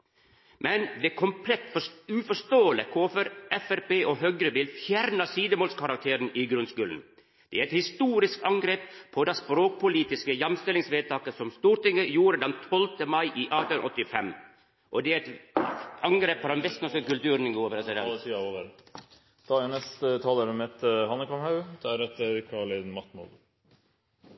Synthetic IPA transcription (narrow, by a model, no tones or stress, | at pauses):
mʔɛnd̪ɛkʰɔmpʰlɛt̪ːfɔʉfɔʂt̪oːələkʰoːfəɾʔɛfæɾpeːʔoɦœɡɾəʋɪlfjæɾnɑsiːd̪əmoːlskʰɑɾɑk̚t̪ʰeːɾənʔɪɡɾʉnskʉːln̩ | d̪̥ɛæɾɛt̪hɪst̪uːɾɪskɑŋɡɾeːppʰɔd̪ɑspɾoːk̚pʰʊliːt̪ɪskəjɑmst̪ɪlɪŋsʋeːd̪̚t̪ʰɑːkəsɔmst̪uːɾʈ̪ɪŋːəjuːɾəd̪ɛnt̪ʰɔlt̪əmɑɪʔiːʔɑt̪ɔt̪ːɪfɛm | ʔɔd̪ɛæɛt̪ | ɑŋɡɾeːppɔd̪ɛnʋɛst̪nɔskəkʉlt̪ʉːɾənɡoːʋəɾɛsɪd̪ɛt̪ʰiːɑod̪əɾ | t̪ʰɑːɛnɛst̪ət̪ʰɑːləɾəmheːt̪əhɑnːəkɑmhɑʉd̪̥ʰɛæɾɛt̪əɾkʰɑɭeːd̪nmɑt̪mɔ̰d̪